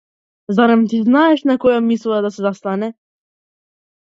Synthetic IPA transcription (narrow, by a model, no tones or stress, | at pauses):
zaɾamt̪̬iznaɛʃnakɔjamislˠad̪asɛzast̪anɛ